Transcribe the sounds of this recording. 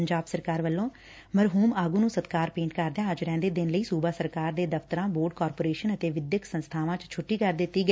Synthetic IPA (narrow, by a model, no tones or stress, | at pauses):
əɲd͡ʒaːbsəɾkaːɾʋəlːõː | məɾɦuːmaːɡũːnũːsət̪kaːɾpẽːɳʈkəɾd̪ejãːəd͡ʒɾɛ̃ːnd̪eːd̪ɪnləiːsuːbaːsəɾkaːɾd̪eːd̪əft̪əɾãːboːɾɖkɔːɾpoːɾeːʃənət̪eːʋɪd̪jəksənst̪ʰaːʋãːt͡ʃt͡ʃʰʊʈːiːkəɾd̪ɪt̪ːiːɡə